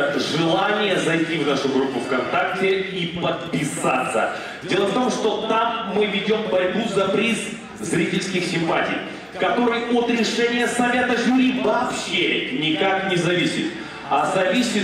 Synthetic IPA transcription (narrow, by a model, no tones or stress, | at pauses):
ʐɨlˠanʲɪjəzɐjtʲivnaʂʊɡɾupːʊfkɐnt̪ak̚tʲɪipət̪̚pʲɪsa̰t̪sːə̰ | dʲe̞lˠəft̪o̞mʂt̪o̞t̪amːɨvʲɪdʲo̞mbɐɾʲbuzɐpɾʲis | zɾʲitʲɪlʲskʲɪxsʲɪmpatʲḭj | kɐt̪o̞ɾɨjʔot̪ɾʲɪʂɛnʲɪjəsɐvʲat̪əʐuɾʲivɐːpɕenʲɪkaknʲɪzɐvʲisʲɪ̰t̪ | ɐzɐvʲisʲɪ